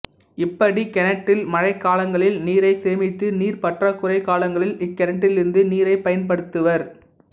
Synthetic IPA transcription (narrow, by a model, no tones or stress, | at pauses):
ɪpːɐɽikɛnɐʈːɪlmɐɻɐɪkːaːlɐŋɡɐɭɪlniːɾɐɪseːmɪt̪ːɯniːɾpɐʈrɐkʊrɐɪkːaːlɐŋɡɐɭɪlɪkːɛnɐʈːɪlɪɾɯnd̪ɯniːɾɐɪpɐjɐnpɐɽɯt̪ːɯʋɐɾ